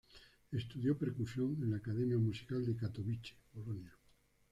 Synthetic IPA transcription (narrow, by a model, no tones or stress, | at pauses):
est̪uðjopeɾkusjoŋẽnlaːkaðemjamusi̥kald̪ekat̪oβit͡ʃe̥polonja